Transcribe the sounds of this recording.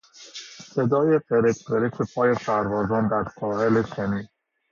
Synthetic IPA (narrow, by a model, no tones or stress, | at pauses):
se̞d̪ɒːjeɢeɾet̪ʰbeɾekʰepʰɒːjesæɾvɒːzɒːnd̪æɾsʰɒːheleʃeniːd̪